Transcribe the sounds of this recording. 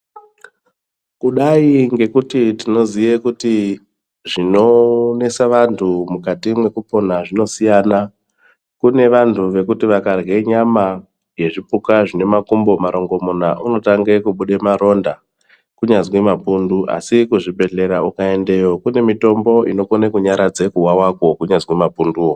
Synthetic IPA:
kuɗaiŋɡe̞kutitino̞zijekuti | ʐino̞ne̞saʋantʰumukatimwe̞kupo̞naʐino̞sijana | kune̞ʋantʰuʋe̞kutiʋakarɡe̞ɲama | je̞ʐipukaʐine̞makumbo̞maɾo̞ŋɡo̞munaʔuno̞taŋɡe̞kuɓuɗe̞maɾo̞nda | kuɲad͡zwimapunduʔa̰sikuʐibʱe̞ɮe̞ɾaukaende̞jo̞kune̞mito̞mbo̞ino̞konekuɲaɾad͡ze̞kuwawako̞kuɲazwimapunduːwo

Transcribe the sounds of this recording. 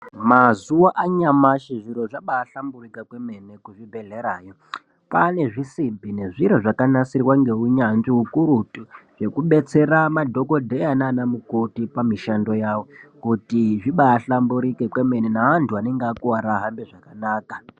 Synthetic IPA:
mazuwaʔaɲamaʃiʐiɾo̞ʐaɓaːɬamburikakweme̞nekuʐibʱe̞ɮe̞ɾaːjo̞ | pane̞ʐisibʱine̞ʐiɾoʐakanasirwaŋɡe̞uɲanʐiukuɾutuʐe̞kuɓe̞t͡se̞ɾamadʱo̞ko̞dʱejananamukotipamiʃando̞jawo̞kutiʐiɓaːɬambuɾikekwe̞me̞nenaʋantʰuane̞ŋɡeakuwaɾaɦambeʐakanaːka

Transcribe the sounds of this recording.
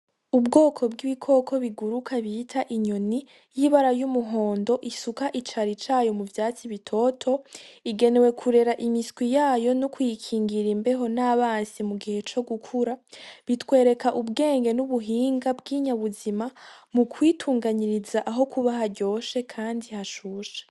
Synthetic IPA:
ubɡoːkʰo̞bɡiβikʰo̞ːkʰo̞βiɡuɾukʰaβiitʰaʔiɲo̞ni | jiβaɾajumuɦo̞ːndo̞ʔisukaʔit͡ʃaɾit͡ʃaːjo̞muvjaːt͡siβitʰo̞ːtʰo̞iɡe̞ne̞we̞kʰuɾe̞ɾaʔimiskwijaːjo̞nukujikʰiːŋɡiɾimbe̞ɦo̞naβaːnsimuɡihe̞t͡ʃo̞ɡukʰuɾaβitwe̞ːɾe̞kaʔubɡe̞ːŋɡe̞nuβuɦiːŋɡabɡiːɲaβuzimamukʰwiːtʰuːŋɡaɲiɾizaʔaɦo̞kʰuβaɦaɾɟo̞ːʃe̞kʰaːndihaʃuːʃḁ

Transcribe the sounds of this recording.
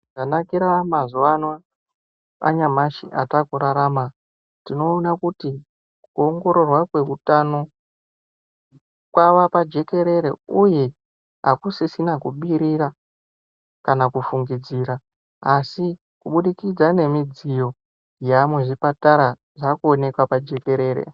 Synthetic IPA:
ʐanakiɾamazuwana | a̰ɲamaʃiʔatakuɾaɾama | tino̞ːnakuti | kuoŋɡo̞ɾo̞rwakwe̞utano̞ | kwaʋapad͡ʒe̞ke̞ɾe̞ɾeuje | ɦa̰kusisinakuɓiɾiɾa | kanakufuŋɡid͡ziːɾa | asi | kuɓuɗikid͡zane̞mid͡zijo̞ | jamweʐipataɾa | ʐakuone̞kwapad͡ʒe̞ke̞ɾe̞ːɾḛ

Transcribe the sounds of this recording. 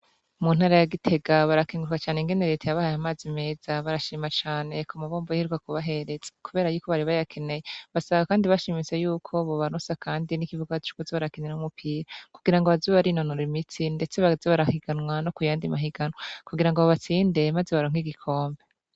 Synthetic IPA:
mun̥haːɾajaɡitʰe̞ɡaβaɾakiŋɡuɾkwat͡ʃaːneŋɡe̞ne̞ɾe̞ːtajaβahajamaːzime̞ːz̥aβaɾaʃiːmat͡ʃaːne̞kʰomaβo̞ːmbojahiɾukakuβaɦe̞ɾe̞z̥e̥kuβe̞ːɾajuːko̞βaɾiβajakʰe̞ne̞jeβasaβakaːndiβaʃimisejuːkʰo̞βoβanosakʰaːndinikivuɡat͡ʃu̥kuzeβaɾakiɲeɾahumupʰiɾakuɡiɾaŋɡoβazuβaɾinonoɾimitʰinde̞t͡se̞βazeβaɾahiɡanwano̞kujaːndimaɦiɡanŋwakuɡiɾaŋɡoβaβat͡siːnde̞maze̞βaɾoŋ̥iɡikʰo̞ːmbe̞

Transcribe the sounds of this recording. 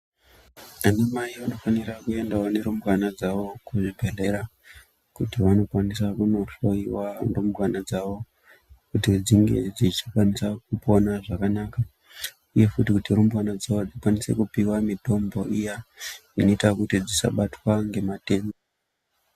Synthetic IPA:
anamaiʋano̞faniɾakue̞ndawone̞ɾumbwanad͡zaʋo̞kuʐibʱe̞re̞ɾa | kutiʋano̞kwanisakuno̞ɬo̞iwanrumbwanad͡zaʋo̞ | kutid͡ziŋɡe̞̰d͡zit͡ʃi̥kwanisak̚upo̞naʐakanaːka | uje̞futikutiɾumbwanad͡zaʋod͡zikwanise̞̰kupiwamito̞mbo̞ʔijaino̞itakutid͡zisa̰ɓatwaŋɡe̞mate̞ːmo

